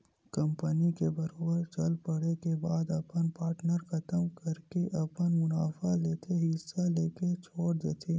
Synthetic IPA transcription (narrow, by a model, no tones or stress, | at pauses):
kɐ̃mpənikebɐɾoːbəɾt͡ʃɐlpɐɽekebaːd̪ɐpənpaːɾʈnəɾxɐt̪əmkɐɾkeʔɐpənmʊnaːfaleːt̪ʰeɦɪsːaleːket͡ʃʰoːɽd̪eːt̪ʰeː